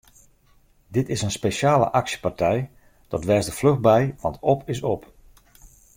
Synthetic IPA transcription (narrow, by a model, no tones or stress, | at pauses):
dɪtɪsənspeʃaːlə̰ʔaksjə̥partʰɛj | d̥ɔtʋɛrsdəflɵɣbɛjʋɑntɔpɪs̬ɔp